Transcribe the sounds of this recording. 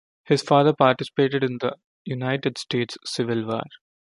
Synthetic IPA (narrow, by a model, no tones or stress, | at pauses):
hɪzfaːd̪əɾpaːɾʈɪsɪ̥peːʈɪɖɪ̃nd̪ɐ | junaɪʈeɖsʈeːʈsːɪʋɪlʋa̰ːɾ